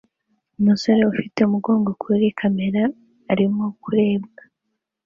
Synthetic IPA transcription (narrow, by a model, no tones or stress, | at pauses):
umuso̞ɾe̞ufite̞umuɡo̞ːŋɡo̞kʰuɾikʰame̞ɾaː | ɾimo̞kuɾe̞ːbɡa